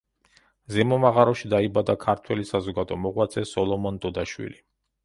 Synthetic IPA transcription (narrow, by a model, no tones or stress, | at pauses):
zɛmɔmaʁaɾɔʃid̪aibad̪akʰaɾt̪ʰwɛlisazɔɡad̪ɔmɔʁwat̪sʼɛsɔlˠɔmɔnt̪ʼɔd̪aʃwḭli